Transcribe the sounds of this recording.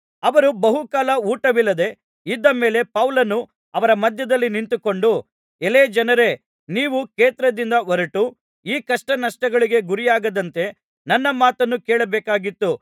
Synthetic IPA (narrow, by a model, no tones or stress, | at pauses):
ɐʋɐɾubɐɦukaːlɐuːʈɐʋilːɐd̪e̞ | id̪ːɐme̞ːle̞pɐwlɐnu | ɐʋɐɾɐmɐd̪ʱjɐd̪ɐlːinint̪uko̞ɳɖu | eleːd͡ʒɐnɐɾe̞ | niːʋukeːt̪ɾɐd̪ind̪ɐʋɐɾɐʈu | iːkɐʂʈɐnɐʂʈɐɡɐɭiɡe̞ɡuɾijaːɡɐd̪ɐnt̪e̞ | nɐnːɐmaːt̪ɐnːukɛːɭɐbɛːkaːɡit̪ːu